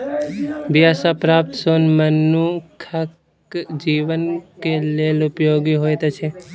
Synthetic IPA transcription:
bɪjaːsapɾaːp̚t̪soːnmənːukʰək | d͡ʒiːʋənkeleːlʊpjoːɡiɦoːet̪et͡ʃʰeː

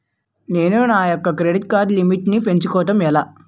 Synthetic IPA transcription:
ne̞ːnunaːjɔkːɐkɾeɽit̪kaːɾd̪limiʈnipe̞ɲt͡ʃukɔːʈ̪ɐmɛlaː

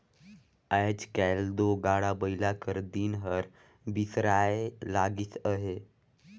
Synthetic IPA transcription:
ajd͡ʑkɛld̪oɡaɽabəjlakəɾd̪iːnɦəɾ | bisɾaelaɡiːtəɦe

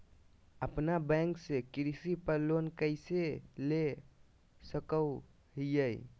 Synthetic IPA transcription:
əpnabɛ̃ŋksekɾisipəɾlonkəɪsele | səkəw | ɦijəj

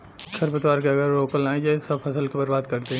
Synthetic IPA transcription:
kʰɐɾpət̪ʋaːɾkeɐɡəɾːoːkəlaːẽd͡ʒaːsɐbfʰɐsəlkebɐɾbaːd̪kɐɾt̪e

